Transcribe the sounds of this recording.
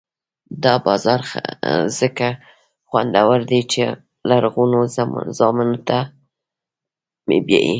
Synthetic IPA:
d̪ɑbɑzɑɾa̰z̥əka | xwand̪awaɾd̪et͡ʃe | laɾɣunozɑminot̪a | mḛbjḛjḭ

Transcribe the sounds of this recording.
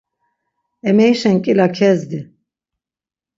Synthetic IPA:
ɛmɛjʃɛnkʼilakʰɛzd̪i

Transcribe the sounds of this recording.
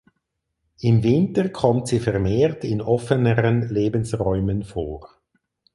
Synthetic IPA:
ʔɪmvɪntəkʰɔmtsiːfɛʁmeːʁtɪnɔfənəʁənleːbənsʁɔʏmənfoːʁ

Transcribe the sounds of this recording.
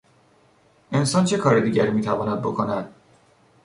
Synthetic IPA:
ʔe̞nsɒːnt͡ʃʰe̞kʰɒːɾed̪iːɟæɾiːmiːt̪ʰævɒːnæd̪̚bo̞kʰo̞næd̪̥

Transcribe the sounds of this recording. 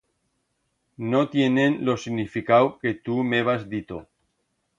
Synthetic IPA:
not̪jenenlosiɣnifikawket̪umeβ̞azðit̪o

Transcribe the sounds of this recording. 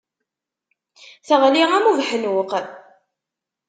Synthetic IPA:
θəʁliʁæmuvħənwəq

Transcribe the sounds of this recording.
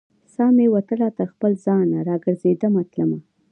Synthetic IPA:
sɑmewat̪əlɑt̪axpəlzɑnaɾɑɡəɾzed̪əmat̪ləma

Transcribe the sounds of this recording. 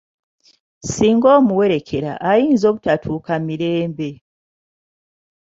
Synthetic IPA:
siːŋɡo̞ːmuwe̞ɾe̞kʰe̞ɾa̰ʔajiːnzo̞ːβutatʰuːkamiɾeːmbe̞

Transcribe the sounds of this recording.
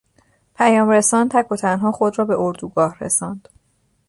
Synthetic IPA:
pʰæjɒːmɾesɒːnt̪ʰækʰːo̞t̪ʰænɦɒːxo̞d̪rɒːbe̞ʔoɾd̪uɡɒːhrḛsɒːnd̪̥

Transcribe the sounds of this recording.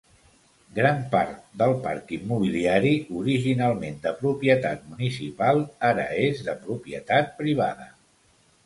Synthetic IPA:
ɡɾampaɾt̪̚d̪əlˠpa̰ɾkimːuβ̞iliaɾiuɾiʒinalˠmend̪əpɾupjət̪at̪̚munisipalˠaɾəezðəpɾupjə̰t̪at̪̚pɾiβ̞a̰ðə̰

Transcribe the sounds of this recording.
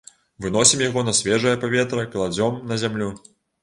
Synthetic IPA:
vɨn̪ɔsʲimjaɣɔnɐsʲvʲɛʐɐjɐpavʲɛt̪ɾɐkɐlˠad͡zʲɔmnɐzʲamlʲu

